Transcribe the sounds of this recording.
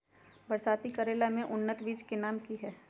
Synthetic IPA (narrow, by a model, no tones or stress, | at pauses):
bɐɾsaːt̪ikɐɾeːlamẽʔʊnːət̪ʋiːd͡ʒkenaːmkiɦɛː